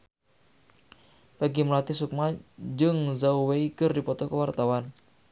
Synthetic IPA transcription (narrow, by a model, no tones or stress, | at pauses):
pəɡiməlat̪isuk̚mad͡ʒɨŋzauweikərdipɔt̪ɔkəwart̪awan